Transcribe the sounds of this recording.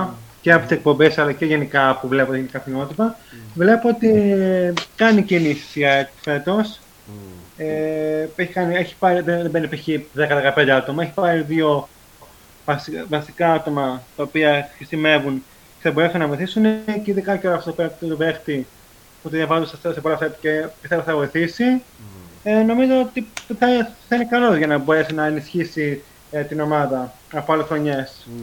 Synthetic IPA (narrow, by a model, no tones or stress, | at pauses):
ceɐpot̪isek̚po̞mbesɐlɐceʝe̞nikɐpuvle̞poeenkɐθimo̞t̪ipɐvle̞poot̪i | kɐnicinisi̥siɐet̪fe̞t̪o̞s | eeçikɐnieçi̥pɐɾiðeðembenipiçiðekɐðekɐpe̞nd̪eat̪o̞mɐeçi̥pɐɾiðʝo̞ | vɐsvɐsikɐɐt̪o̞mɐt̪ɐopiɐxɾisime̞vun | ceθɐbo̞ɾe̞sunɐvo̞jiθisuneeciðekɐniceoɾɐft̪otopeɾɐt̪t̪ovext̪i | ot̪iðevɐzussepo̞lɐfet̪ɐcepist̪evoθɐvo̞jθisi | eno̞mizoot̪iθɐθɐinekɐlo̞zʝɐnɐbo̞ɾe̞sinɐenisçisi | t̪ino̞mɐðɐ | ɐpoɐlesxɾo̞ɲe̞s